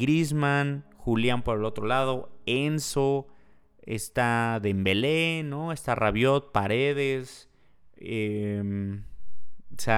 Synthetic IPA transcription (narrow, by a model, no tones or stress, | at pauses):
ɡɾizmãnxuljampo̞ɾe̞lo̞t̪ɾo̞lað̞o̞enso | ḛst̪aðembe̞leno̞est̪araβjo̞t̪̚paɾe̞ðes | em | se